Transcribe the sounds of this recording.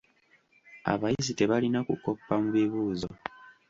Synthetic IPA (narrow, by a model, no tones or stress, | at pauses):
a̰βajizite̞βalinakuko̞pːamuβiβuːzo